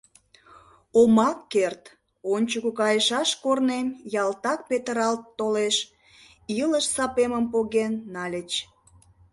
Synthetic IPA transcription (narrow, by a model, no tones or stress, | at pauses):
omɑkːert̪ | onʲt͡ɕukukɑjəʃɑʃkornemjɑlt̪ɑk̚pet̪əɾɑlt̪ːoleʃ | iləʃsɑpeməmpoɣenːɑlʲət͡ɕ